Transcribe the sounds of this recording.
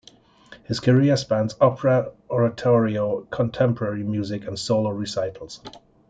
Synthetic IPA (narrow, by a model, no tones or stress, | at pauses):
hɪz̥kʰəɹiəspãnzɔpʰɹəɔɹətʰɔɹioʊkʰə̃ntʰɛ̃mpʰəɹɛɹimjʉːzɪkə̃nsoʊləɹɪsaɪtʰˡəl̩ˠz̥